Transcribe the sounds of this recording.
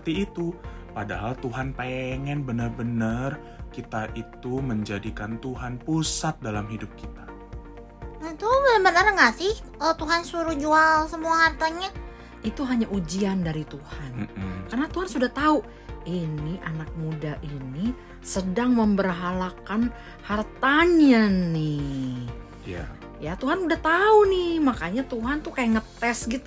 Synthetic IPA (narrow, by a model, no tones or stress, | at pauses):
ət̪iːt̪upadaɦalt̪uɦanpeŋɛnbənərbənər | kit̪aʔit̪uməɲd͡ʒadikant̪uɦanpusat̪̚dalamɦidʊp̚kit̪a | ət̪ubəbənərəŋasɪhət̪uɦansuɾud͡ʒualsəmuahart̪aɲa | it̪uɦaɲaʔud͡ʒiandaɾit̪uhankarənat̪uɦansudaht̪au | iniʔanak̚mudaʔini | sədaŋməmbərɦalakan | hart̪aɲanɪ | ja̰ | jat̪uɦanudaht̪aunɪhmakaɲat̪uɦant̪ukajaʔŋət̪ɛsɡit̪u